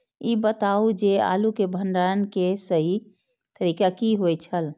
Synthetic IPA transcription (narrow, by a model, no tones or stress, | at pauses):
iːbət̪aːud͡ʒea̰ːlukebʱə̃ɳɖaːənkesəɦi | t̪əɾiːkakiɦojt͡ʃʰəl